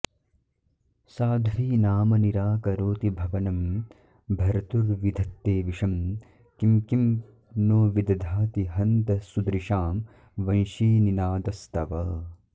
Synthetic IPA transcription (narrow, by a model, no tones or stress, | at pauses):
saːd̪ʱʋiːnaːmɐniɾaːkɐɾoːt̪ibʱɐʋɐnɐm | bʱɐɾɐt̪uɾʋid̪ʱɐt̪ːeːʋiʂɐm | kimkim | noːʋid̪ɐd̪ʱaːt̪iɦɐnt̪ɐsud̪ɾiʃaːm | ʋɐnʃiːninaːd̪ɐst̪ɐʋɐ